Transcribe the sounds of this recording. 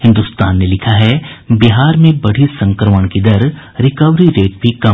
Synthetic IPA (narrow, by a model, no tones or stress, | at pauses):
hɪ̃nd̪ust̪aːnːelɪkʰaɦɛbiɦaːɾmẽbɐɽ̤isɐ̃ŋkɾəməɽ̃kid̪ɐɾ | ɾɪkəʋɾiɾeːʈ̚bʱikɐ